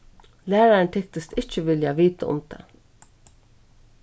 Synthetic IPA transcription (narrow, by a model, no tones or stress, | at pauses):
læːɹaɹnt̪ʰɛkt̪ɪst̪ɪht͡ʃɪʋɪljaʋiːt̪a̰ʊ̰mt̪a̰